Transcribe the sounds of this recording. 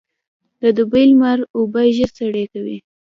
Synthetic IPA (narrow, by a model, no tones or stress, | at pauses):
d̪əd̪ʊbejlmaɾobajʒəɾsaɽekawḭ